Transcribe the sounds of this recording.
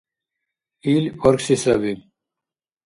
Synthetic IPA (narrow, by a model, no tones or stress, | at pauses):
iloɾksisɐbi